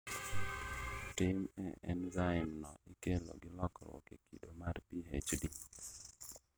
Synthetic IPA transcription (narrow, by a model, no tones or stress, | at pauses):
tɪmɛ̰ɛ̰nzaɪmnɔɪkelo̰ɡɪlɔkɾwɔ̰kekʰidomarpiɦet͡ʃdi